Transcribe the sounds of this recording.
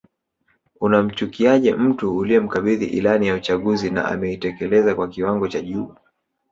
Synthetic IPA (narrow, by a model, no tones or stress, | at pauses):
unam̩t͡ʃukiaʄɛm̩tuːliɛm̩kaɓiðḭʔḭlanijaut͡ʃaɠuzina̰ʔa̰mɛitɛkɛlɛzakwakiwaŋɡɔt͡ʃaʄuː